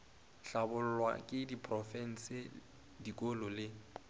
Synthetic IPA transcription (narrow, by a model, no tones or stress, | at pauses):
ɬabʊl̩lwa̰kʼɪdipʰʼrɔfɛn̩sɪ | dikʼolɔlɪ